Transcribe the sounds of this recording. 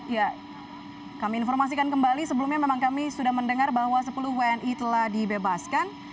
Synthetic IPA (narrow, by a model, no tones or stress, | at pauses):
ija | kamiːnfɔrmas̬ikankəmbalisəbəlumɲamemaŋkamisudahməndəŋarbahwasəpuluhweɛnʔit̪əlahdibebaskan